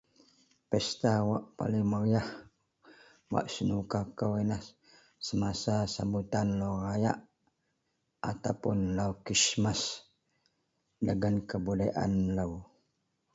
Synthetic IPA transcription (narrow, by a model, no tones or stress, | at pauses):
pɛst̪awaʔpa̰liŋməɾijah | wa̰ʔsənukakəwinah | səmasasambut̪anlaraja̰ʔ | at̪awpʊnlaukismas | dəɡənkəbuləʔa̰nlaw